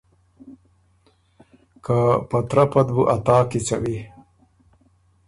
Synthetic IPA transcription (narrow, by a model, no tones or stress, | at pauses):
kapɐt̪ɾɐpɐd̪buʔat̪aːkit͡sɐ̰wi